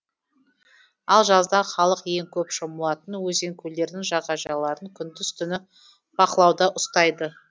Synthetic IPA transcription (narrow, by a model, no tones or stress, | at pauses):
ɑlˠʒɑzd̪ɑχɑlˠəqje̞ŋkʲʰɵpʃəmuɑt̪ənwɵze̞ŋkʲʰɵle̞ɾd̪ɪŋʒɑʁɑʒɑlˠɑɾəŋkʲʰʏnd̪ɪzt̪ʰʏnɪ | b̥ɑqəlˠɑwd̪ɑʔʊst̪ɑjd̪ə